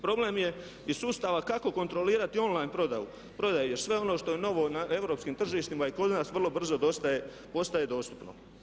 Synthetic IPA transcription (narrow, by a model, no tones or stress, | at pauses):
pɾo̞blemje̞ | issuːst̪aʋakako̞ko̞nt̪ɾo̞liːɾat̪io̞nlˠajnpɾo̞d̪aju | pɾo̞d̪ajuje̞ɾsʋe̞o̞no̞ːʃt̪o̞jeno̞ʋo̞naʔe̞wɾo̞ːpskimt̪r̩ʒiːʃt̪imaiko̞d̪naːsʋrlˠo̞br̩zo̞d̪ost̪aje | po̞st̪aje̞d̪o̞ːst̪u̥pno̞̰